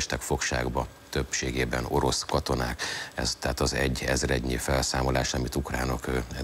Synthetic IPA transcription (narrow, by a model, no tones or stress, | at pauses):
ʃt̪ɛkfo̞kʃa̰ːɡbɒ | t̪ø̞pʃeːɡeːbɛno̞ɾo̞skɒt̪o̞naːkɛ̰zt̪ɛːt̪ɒzɛɟːɛzrɛɟɲifɛlsaːmo̞laːʃɒmit̪ukraːno̞kː